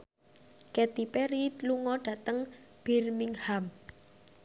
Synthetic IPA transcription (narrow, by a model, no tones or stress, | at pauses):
kɛt̪ipɛɾiluŋɔɖ̥ä̤t̪əŋb̥i̤rmiŋham